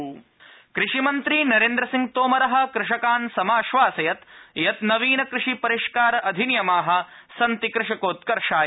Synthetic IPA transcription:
kɾɪʂimɐnt̪ɾinɐɾeːnd̪ɾɐsiŋɡ̚t̪oːmɐɾɐɦɐ̆kɾɪʂɐkaːnsɐmaːʃʋaːsɐjɐt̪jɐt̪nɐʋiːnɐkɾɪʂipɐɾiʂkaːɾɐʔɐd̪ʱinjɐmaːɦɐ̆ | sɐnt̪ikɾɪʂɐkoːt̪kɐɾʂaː

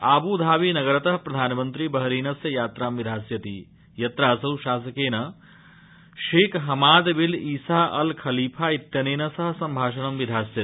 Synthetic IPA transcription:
aːbuːd̪ʱaːʋiːnɐɡɐɾɐt̪ɐɦpɾɐd̪ʱaːnɐmɐnt̪ɾibɐɦɐɾiːnɐsjɐjaːt̪ɾaːmʋid̪ʱaːsjɐt̪ḭ | jɐt̪ɾaːsɐwʃaːsɐkeːnɐ | ʃeːkɦɐmaːd̪biliːsaːʔɐlkʰɐliːpʰaːit̪jɐneːnɐsɐɦɐ̆sɐmbʱaːʃɐɳɐmʋid̪ʱaːsjɐt̪i

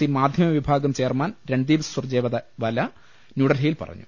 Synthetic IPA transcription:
imaːd̪ʱjɐmɐʋibʱaːɡɐmt͡ɕe̞ːrmaːnɾeɳɖd̪iːʋɐssurd͡ʑeːʋɐd̪ɐʋɐlɐ | nuːɽɐlɦejilpɐ̰rɐ̰ɲːu

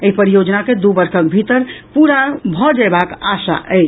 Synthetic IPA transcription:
eipəɾijod͡ʒnaked̪ubəɾkʰək̚bʱit̪əɾpuɾabʱɔd͡ʒabakasa̰ʔɛt͡ʃ

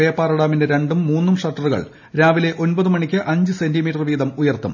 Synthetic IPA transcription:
eːpːaːrɐɽaːmindeɾe̞ɳɖumːuːnːumʂɐrʈːɐruɣɐ̰ɭ | ɾaːʋile̞ʔonbɐðumɐɳikʲːɨʔɐɲd͡ʑɨse̞ndimiːʈːɐrʋiːðɐmujɐrt̪ṵm

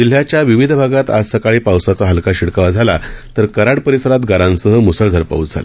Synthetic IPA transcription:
d͡ʑil̤ːjat͡ɕjaʋiʋid̪ʱbʱaɡat̪a̰d͡zsəkaɭiːpawsat͡saɦəlkaɕiɽkaʋad͡zʱalat̪əɾkəɾaɽpəɾisəɾat̪ɡaɾãnsəɦəmusəɭd̪ʱəɾpa̰ut͡sd͡zʱa̰la

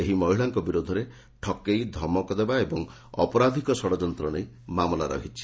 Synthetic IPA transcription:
eɦimɔɦiɭaŋkɔbiɾod̪ʱɔɾe | ʈʰɔkejd̪ʱɔmɔkɔd̪ebaebɔŋ | ɔ̰pɔɾad̪ʱikɔsɔɽɔd͡ʒɔnt̪ɾɔnej | mamɔla̰ɾɔ̰ɦit͡ʃʰi̥

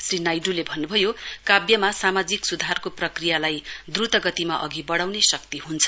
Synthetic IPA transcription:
srinajɖulebʱʌnːubʱʌjokabjʌmasamad͡ziksud̪ʱarkoprʌkrijalajd̪rut̪ʌɡʌt̪imaʔʌɡibʌɽawnesʌk̚t̪iɦunt͡sʰʌ̥

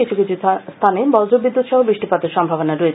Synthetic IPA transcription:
it͡ɕʰukit͡ɕʰust̪ʰanebɔld͡ʑobid̪ːut̪ʃɔɦobɾiʃʈipad̪eɾʃɔmbʱabonaɾoe

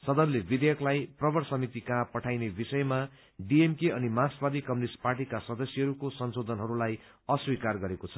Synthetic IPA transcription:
sʌd̪ʌnlebid̪ejʌklajprʌbʌrsʌmit̪ikãpʌʈʰajnebisʌjma | ɖiemkeʌnimasbad̪ʱikʌmnisparʈikasʌd̪ʌsjʌɦʌɾukosʌnsod̪ʱʌnɦʌɾulaj | ʌswikarɡʌɾekot͡sʰʌ̥

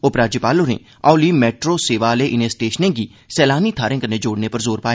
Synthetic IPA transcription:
oːpɾaːd͡ʒəpaːloːɾḛ̃ː | aːliːmɛːʈɾoːseːʋaːleːʔɪneːsʈeːʃənẽːɡiː | sɛːlaːniːt̪ʰaːɾẽːkəɾned͡ʒoːɽneːpəɾzoːɾpaːe

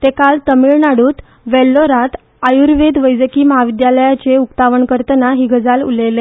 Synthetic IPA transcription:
t̪ekalt̪əmiɭnaɽuːt̪ | ʋɛlːoɾat̪ | ajuɾʋed̪ʋəjd͡zəkiːməɦaʋid̪jaləjat͡ɕeukt̪aʋəɳkəɾt̪ənaɦiːɡʱəd͡zalṵlele

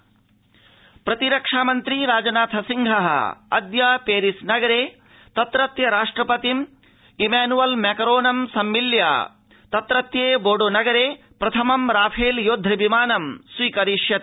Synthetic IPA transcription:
pɾɐt̪iɾɐkʂaːmɐnt̪ɾiɾaːd͡ʒɐnaːt̪ʰɐsiŋɡʱɐɦɐ̰ɐ̰d̪jaːpeːɾisnɐɡɐɾeː | t̪ɐt̪ɾɐt̪jɐɾaːʂʈɾɐpɐt̪im | imaːnuʋɐlmɛːkɐɾoːnɐmsɐmːilja̰ː | t̪ɐt̪ɾɐt̪jeːboːɖoːnɐɡɐɾeː | pɾɐt̪ʰɐmɐmɾaːpʰeːljoːd̪ʱːɾɐbimaːnɐmsʋiːkɐɾiːʂjɐt̪

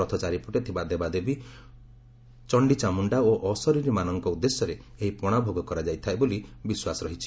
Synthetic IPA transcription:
ɔt̪ʰɔt͡ʃaɾipɔʈet̪ʰibad̪ebad̪ebi | t͡ʃɔɳɖit͡ʃamuɳɖaoʔɔsɔɾiɾimanɔŋkɔud̪ːesjɔɾeeɦipɔɽ̃abʱoɡɔkɔɾad͡ʒajt̪ʰaebolibiswasɔɾɔɦit͡ʃʰi̥

